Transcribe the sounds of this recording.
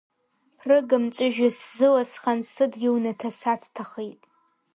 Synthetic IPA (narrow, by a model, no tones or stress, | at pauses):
pʰrɨɡɨmt͡ʃʷʼɪʒᶣɪszɨwasχansɨdɡʲiwnɐtʰɐsatʰtʰaχejtʼ